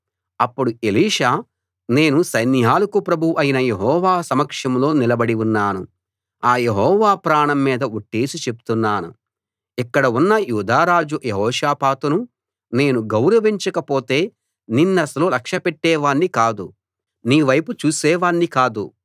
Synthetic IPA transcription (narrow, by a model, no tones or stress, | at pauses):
ɐpːuɽue̞liːʂaː | ne̞ːnusɐjniɦaːlɐkupɾɐbʱuʔɐjinɐjeɦɔːʋaːsɐmɐkʂɐmlo̞ːnilɐbɐɽiunːaːnṵ | aːje̞ɦɔːʋaːpɾaːɳɐmːiːd̪ɐuʈːeːsit͡ʃe̞pu̥t̪unːaːnṵ | ikːɐɽɐunːɐjuːd̪aːɾaːd͡ʒujeɦɔːʂaːpaːt̪unu | ne̞ːnuɡɐwɾɐʋiɲt͡ʃɐkɐpo̞ːt̪e̞ː | ninːɐsɐlolɐkʂɐpeʈːɛːʋaːɳːikaːd̪u | niːʋɐjput͡ʃuːsɛːʋaːɳːikaːd̪ṵ